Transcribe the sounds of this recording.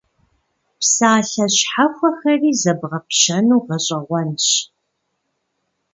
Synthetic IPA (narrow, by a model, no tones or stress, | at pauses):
psaːɬɐɕħaxʷɐxɐriːzɐbʁɐpʃɐnuːʁɐɕʼɐʁʷɔnɕ